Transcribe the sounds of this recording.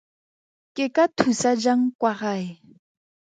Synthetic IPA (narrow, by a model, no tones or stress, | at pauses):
kekatʰusad͡ʒaŋkwaɣaj